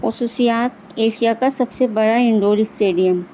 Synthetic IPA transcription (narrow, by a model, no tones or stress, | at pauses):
xʊsuːsijaːt̪̚ | eːʃijakasɐbsebɐɽaɪ̃ɳɖoːɾisʈeːɖijəm